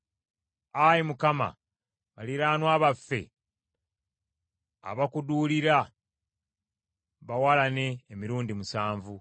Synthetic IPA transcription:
ajimukama̰ | βaliɾaːnwaːβafːe̞̰ | βakuduːliɾa | βawalane̞ːmiɾuːndimusaːɱvu

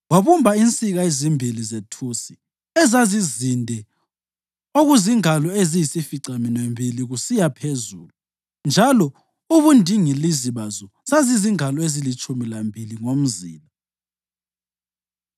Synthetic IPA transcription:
waβumbʱaint͡sʼiɣaezimbʱilizetʰusi̥ | ɛzazizindʱɛ | oɣuziŋalɔezijisifiǀaminwembʱiliɣusijapʰezuːlu | nd͡ʒʱalɔ | uβundʱiŋiliziβazɔ | saziziŋalɔezilit͡ʃʼumilambʱiliŋom̩zḭːla

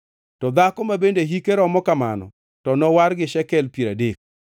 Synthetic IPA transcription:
tɔd̪akɔmabendeɦikeɾɔmɔkama̰nɔ̰ | tɔnɔwaɾɡɪʃɛkɛlpeɾadek̚

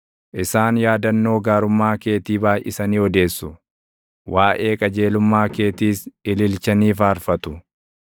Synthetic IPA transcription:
ʔɪsaːnjaːd̪ɐnːo̞ːɡaːɾʊmːaːke̞ːt̪iːbaːjʔɪ̰sɐniːɔd̪e̞ːsːʊ | wʔaːʔe̞ːkʼɐd͡ʒe̞ːlʊmːaːke̞ːt̪iːsɪlɪlt͡ʃɐniːfaːɾfɐt̪ʊ

